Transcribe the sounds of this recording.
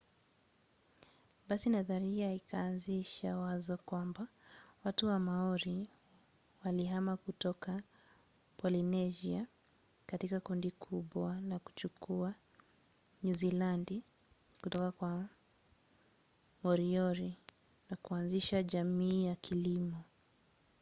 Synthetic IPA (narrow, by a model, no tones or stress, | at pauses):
basinaðaɾiaikaːnziʃawazɔkwambawatuwamaɔɾi | waliɦamakutɔka | pɔlinɛʒia | katikakɔndikʰuɓwalaku̥t͡ʃukua | ɲuzilandi | kutɔkakwa | mɔɾiɔɾi | nakuanziʃaʄamiːjakʰilimɔ